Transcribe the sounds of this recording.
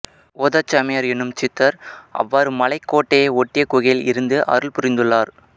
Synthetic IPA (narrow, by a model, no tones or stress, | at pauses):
oːðɐt͡ʃːɐmɐjaɾɛnːɯmt͡ʃɪt̪ːɐɾʔɐ̰ʋːaːɾɯmɐlɐɪkːoːʈːejɔʈːɪjɐkʊɣɐjlɪ̰ɾɯnd̪ɯʔɐ̰ɾɯɭpʊɾɪnd̪ɯɭːaːɾ